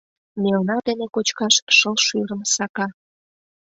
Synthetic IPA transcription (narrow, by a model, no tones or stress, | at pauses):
melnɑd̪enekot͡ɕkɑʃʃəlʃyɾəmsɑkɑ